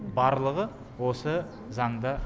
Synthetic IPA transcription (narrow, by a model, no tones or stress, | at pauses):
bɑɾlˠəʁə | wo̞sə | zɑɴd̪ə